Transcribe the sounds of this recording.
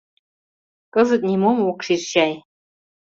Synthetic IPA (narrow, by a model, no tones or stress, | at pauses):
kəzə̆t̪̚nʲimomwokʂirɕɑj